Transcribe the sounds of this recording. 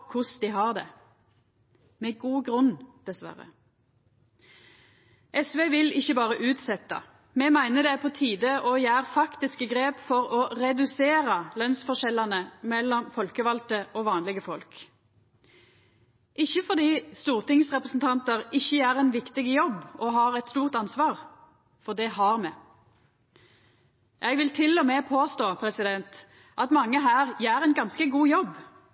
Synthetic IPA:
kʰʊsd̪ɪɦɑːʁd̪ɛ̰ | mɛɡuːɡʁʉnd̪̥ɛsʋæ̰ʁə̰ | ʔɛsʋeːʋɪlɪçːəbɑːʁəʔʉːt̪sɛt̪ːɑ̰ | mɛmæɪnəd̪ɛpʰɔt̪ʰiːd̪əʔɔjæːʁfɑkt̪ɪskəɡʁeːpfɔʁɔʁɛd̪ʉseːʁəlœnsfɔʃɛlɑnəmɛlːɔmfɔlkəʋɑlt̪əʔoːʋɑːnlɪɡəfɔlk | ʔɪçːəfɔd̪iːst̪uːʁt̪ɪŋsʁɛpʁəsn̩t̪ʰɑnt̪əʁɪçːəjæːʁɛnʋɪkt̪ɪɡəjɔbɔɦɑːʁɛt̪st̪uːʁt̪ɑnsʋɑːʁ | fɔd̪ɛhɑːʁmɛ | jʔɛɡʋɪlt̪ʰɪlːɔmeːpʰoːst̪oːpʰɾɛsɪd̪ɛnt̪ | ʔɑt̪mɑŋːəɦæːʁjæːɾɛɪnɡɑnskəɡuːjɔb

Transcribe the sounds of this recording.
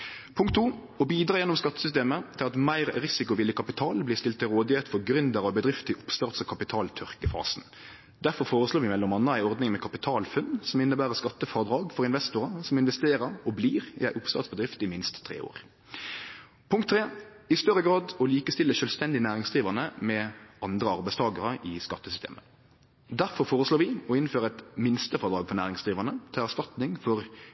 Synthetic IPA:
pʰʊŋkt̪ʰːuː | ɔbiːd̪ɾʁɑːjɛnːɔmskɑt̪ːəsʏs̬t̪eːmət̪ʰɪlɑt̪mæɪʁɾɪsɪkʊʋɪlːəkʰɑpɪt̪ʰɑːlblɪst̪ɪlt̪ːɪlɾoːd̪ɪheːt̪fɔʁɡɾʉnd̪əɾɑʋbəd̪ʁɪft̪ʰɪlʔʊpst̪œʁt̪sɔkʰɑpɪt̪ʰɑːlt̪ʰœʁkəfɑ̰ːsn | d̪æɾfɔʁfoːʁəsloːʋɪmɛlːɔmɑnːəæɪɔʁd̪nɪŋmɛkʰɑpɪt̪ʰɑːlfʉnsɔmɪnːəbæːʁəʁskɑt̪ːəfɑʁd̪ʁɑːɡfɔʁɪnʋɛst̪ʊʁəsɔmɪnʋɛst̪eːʁəɾɔbliːʁɪ̰æɪʔʊpst̪ɑ̰ːt̪sbəd̪ʁɪft̪ɪmɪnst̪ʰːɾḛːo̰ːʁ | pʰʊŋkt̪ːʰɾeː | ɪst̪œɾːəɡɾɑːd̪ɔliːkəst̪ɪlːəʃœːlst̪ɛnd̪ɪənæːʁɪŋsd̪ʁiːʋæʁnəmɛɑnd̪ʁəɑɾbæɪst̪ʰɑːɡəʁəʔɪskɑt̪ːəsʏst̪ḛːmə | d̪æʁfɔɾfoːʁəsloːɾʋɪɔɪnføːɾəɛt̪mɪnst̪əfɔʁd̪ɾʁɑːɡfɔʁnæːʁɪŋsd̪ʁiːʋænət̪ʰɪlæst̪ɑt̪nɪŋfɔʁ

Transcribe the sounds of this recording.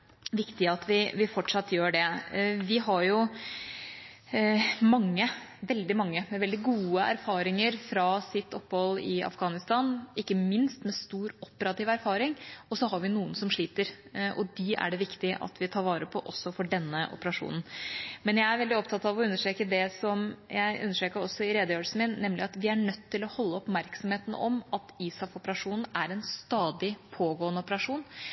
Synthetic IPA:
ʋɪkt̪ɪɑt̪ʋɪʋɪfɔʈʂɑt̪ːjøːɖɛʋɪɦɑɾjʊ | mɑŋːəʋɛld̪ɪmɑŋːəmɛʋɛld̪ɪɡuːəæ̰ɾfɑːɾɪŋəɾfɾɑsɪt̪ːɔpːhɔlːɪɑ̰fɡɑːnɪst̪ɑːnɪkːəmɪnst̪mɛst̪uːɾɔpːəɾɑt̪iːʋæɾfɑːɾɪŋɔsɔɦɑɾʋɪnuːənsɔmʂɭiːt̪əɾʔɔd̪iæ̰ɖɛʋɪkt̪ɪʔɑ̰t̪ʋɪt̪ʰɑːɾʋɑːɾəpʰɔʔɔsːɔfɔɖɛnːəʔɔ̰pəɾɑʂṵːnn̩mɛnjæɪæɾʋɛld̪ɪɔpt̪ʰɑt̪ɑʋɔʉnːəʂʈɾeːkəd̪ɛsɔmjæɪʔʉnːəʂʈɾeːkəɾɔsːɔɪɾeːd̪əjøːlsən̩mɪnnɛmlɪɑt̪ʋɪæɳœt̪ʰːɪlɔhɔlːəɔpmæɾksɔmheːt̪n̩̰ɔmɑt̪iːsɑfɔpəɾɑʂuːnn̩æɾɛnst̪ɑːd̪ɪpʰoːɡoːənəɔpəɾɑʂuːn

